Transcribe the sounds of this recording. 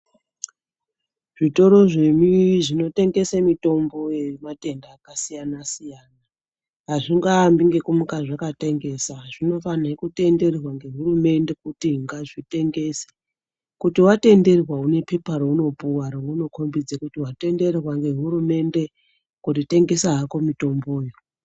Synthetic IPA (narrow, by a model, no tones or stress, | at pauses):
ʐ̥ito̞ɾo̞ʐeɲuʐino̞te̞ŋɡe̞semito̞mbo̞jemate̞ndaːkasijanasijaːna | ɦaʐiŋɡambiŋɡe̞kumukaʐakate̞ŋɡe̞saʐino̞fanaekute̞nde̞rrwaŋɡe̞ɦurume̞nde̞kutiŋɡaʐite̞ŋɡe̞se̥ | kutiwate̞nde̞rrwaune̞pe̞parouno̞puwaɾouno̞kʰo̞mbid͡zekutiwate̞nde̞rrwaŋɡe̞ɦuɾume̞nde̞ | kutite̞ŋɡe̞saɦako̞mito̞mboːjo